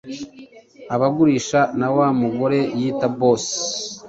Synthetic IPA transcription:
aβaɡuɾiːʃanawamuɡo̞ɾe̞jiːtaboːs

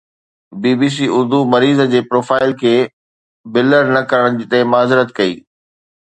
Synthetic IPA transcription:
biːbiːs̬iːʊɾd̪umɐɾiːzd͡ʑeːpɾoːfaːɪlkʰeː | bɪləɾnɐkɐɾəɽ̃d͡ʑit̪ɐɦɪmaːzɪɾət̪kɐḭː

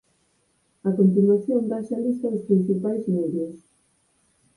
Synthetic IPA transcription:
ɐkont̪inwaθjombaʃalist̪ɐðuspɾinθipajzmiðus

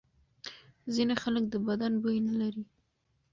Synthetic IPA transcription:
zinaxaləkd̪əbad̪anbojnalaɾi

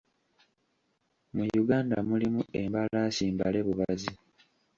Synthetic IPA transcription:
mujuɡaːnda̰mulimue̞mbalaːsiːmbale̞βuβazi

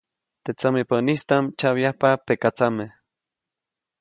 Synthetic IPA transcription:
t̪et͡samepanist̪amt͡ʃawjahpapekat͡sameh

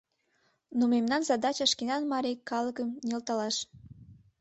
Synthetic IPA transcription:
numemnɑnzɑd̪ɑt͡ɕəʃkinɑnmɑɾʲijkɑlɤkəmnʲilt̪ɑlɑʃ

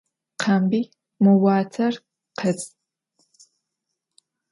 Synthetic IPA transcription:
qʰambi | mowaːtʰɐr | qʰət͡sʼ

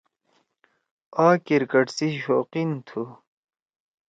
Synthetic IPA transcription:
aːkiɾkɐʈsiɕoːqint̪ʰu

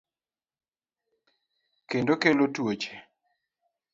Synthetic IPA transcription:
kendokelotwot͡ʃe

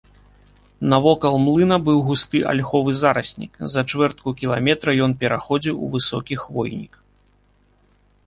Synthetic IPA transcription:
nɐvɔkɐlˠmlˠɨnɐbɨwɣust̪ɨʔa̰lʲxɔvɨzaɾɐsʲnʲḭkzɐt͡ʂvɛrt̪̚kukʲilˠa̰mʲɛt̪ɾɐjɔnpʲɛɾaxɔd͡zʲiwṵvɨsɔkʲixvɔjnʲḭk

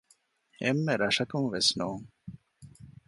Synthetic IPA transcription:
emːeɾɐʂɐkuŋʋesnoːŋ

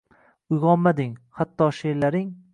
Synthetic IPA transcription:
ʊjʁɒmmad̪ɪŋhat̪ʰːɒʃeɾlaɾɪŋ

